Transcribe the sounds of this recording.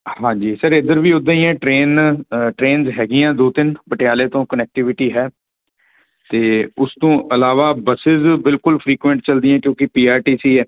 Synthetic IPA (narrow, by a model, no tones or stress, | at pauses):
hãːd͡ʒiːsəɾɪd̪əɾʋiːʊd̪ãiãːʈɾeːnʈɾeːnzɦɛːɡɪːãːd̪oːt̪ɪnpəʈɪjaːleːt̪õːkənɛːk̚ʈɪʋɪʈiːɦɛː | t̪eːʊst̪õːʔəlaːʋaːbəsɪzbɪlkʊlpʰɾiːkʋə̃ɳʈt͡ʃəld̪iːãːkjõːkɪpiːaːɾʈiːsiːɛː